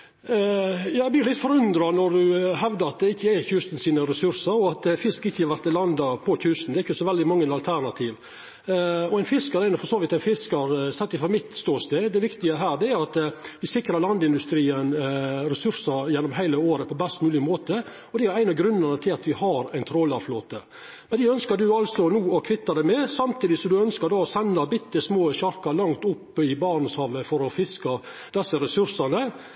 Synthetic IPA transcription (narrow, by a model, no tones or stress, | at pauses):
jɑːɛblɪɾlɪt̪ːfɔɾʉnd̪ɾɑnɔɾdʉɦɛʋd̪ɑɾɑt̪̚d̪ɛɪçːəæçʉːst̪n̩siːnəɾɛsʉɾsəɾɔɑt̪fɪskɪçːəhɑɾʋæɾt̪ːɛlɑnd̪ɑpʰɔçʉːst̪n̩d̪ɛɾɪçːəsɔʋɛld̪ɪmɑŋːənɑlt̪ʰæɾnɑt̪ʰiːʋ | ɔæɪnfɪskəɾæɪnfɔɾsoːʋɪt̪æɪnfɪskɑɾsɛt̪ːɪfɔɾmɪt̪ːst̪oːst̪eːd̪ɛʋɪkt̪ɪəɦæːɖ̪ɛæɾɑt̪ʋɪsɪkɾɑlɑnd̪ɪnd̪ʉst̪ɾiːənɾɛsʉɾsəɾjɛnːɔmɦæɪləoːɾəpʰɔbɛst̪mʉːlɪmoːt̪ə | ɔd̪ɛæɾæɪnɑɡɾʉnːənət̪ʰɪlɑt̪ʋɪhɑɾæɪnt̪ʰɾoːlɑfloːt̪ə | mɛnd̪ɪœnskəɾɖ̪ʉɑlsɔnuːɔkʰʋɪt̪ːɑd̪æmɛsɑmt̪ʰiːd̪ɪsɔmd̪ʉœnskəɾɖɑːɔsɛnːɑbɪt̪ːəsmoːɕɑɾkɑlɑŋt̪ʊpːɪbɑːɳəshɑːʋəfɔɾɔfɪskɑ | d̪ɛsːəɾɛsʉɾsɑnə